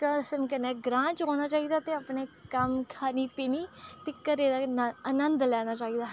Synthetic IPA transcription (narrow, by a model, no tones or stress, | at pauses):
kəsəmkəneːɡɾãːt͡ʃɦoːnaːt͡ʃaːiːd̪aːt̪eːəpneːkəmkʰaːniːpiːniːt̪ɪkːəɾeːd̪aːənənd̪lɛːñaːt͡ʃaːiːd̪aː